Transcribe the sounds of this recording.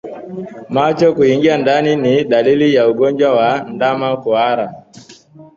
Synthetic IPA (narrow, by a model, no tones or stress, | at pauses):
mat͡ʃɔkuiŋɡiandaniniɗalilijauɡɔɲd͡ʒwawandamakuaɾa